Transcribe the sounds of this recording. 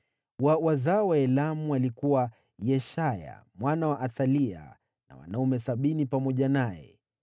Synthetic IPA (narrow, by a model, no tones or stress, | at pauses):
wawazaɔwaɛlamualikuwa | jɛʃaja̰mwanawaʔaθalia̰ | na̰wa̰naumɛsaɓinipamɔʄanajɛ̰